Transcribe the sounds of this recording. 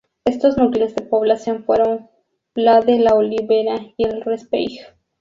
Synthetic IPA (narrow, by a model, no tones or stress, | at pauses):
e̞st̪oznukilezðe̞po̞βlasjo̞nfwe̞ɾo̞n | laðelaoliβeɾaielrespḛjx